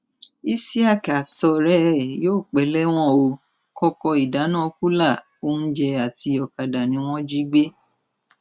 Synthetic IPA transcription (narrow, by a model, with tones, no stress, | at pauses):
i˦si˦a˦˨ka˨tɔ˧ɾɛ˦˨joː˦˨k͡pɛ˨˦lɛ˦w̃ɔ̃˦o˧ | kɔ˦kɔ˧i˨da˨˦nã˦˨˧ku˦la˦˨ | o˦n̩˦d͡ʒɛ˧a˨ti˧˦ɔ˨ka˨da˨nĩ˧˦w̃ɔ̃˦d͡ʒi˦ɡ͡be˦